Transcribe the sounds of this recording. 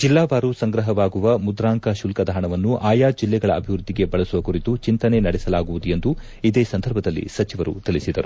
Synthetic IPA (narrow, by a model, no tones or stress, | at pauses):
d͡ʒilːaːʋaːɾusɐŋɡɾɐɦɐʋaːɡuʋɐmud̪ɾaːŋkɐʃulkɐd̪ɐɦɐɳɐʋɐnːuʔaːjaːd͡ʒilːɛɡɐɭɐːbʱiʋɾud̪ʱːiɡe̞bɐɭɐsuʋɐkuɾit̪ut͡ʃint̪ɐne̞nɐɽɛsɐlaːɡuʋud̪ue̞nd̪u | id̪eːsɐnd̪ʱɐɾbʱɐd̪ɐlːḭsɐt͡ʃiʋɐɾṵt̪iɭisid̪ɐ̰ɾu